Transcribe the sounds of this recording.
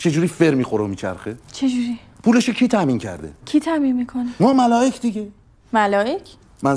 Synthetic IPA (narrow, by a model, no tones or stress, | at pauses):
t͡ʃʰe̞d͡ʒuːɾiːfe̞ɾmiːxoɾeomiːt͡ʃʰæ̰ɾxet͡ʃʰed͡ʒuɾi | pʰuːle̞ʃocʰiːt̪ʰæmiːncʰæ̰ɾd̪ḛcʰit̪ʰæminmiːkʰonemɒːmælɒːjecʰd̪iɟe | mælɒːjecʰ | mæn